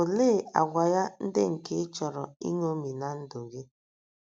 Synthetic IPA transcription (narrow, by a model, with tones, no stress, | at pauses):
o˨le˦˨a̰˨ɡʷa˨ja˦n̩˦dɪ˦ŋ̩˨ke˦t͡ʃɔ˨ɾɔ˨ḭ˦ŋo˦mi˨na˨n̩˦do˨ɣe˦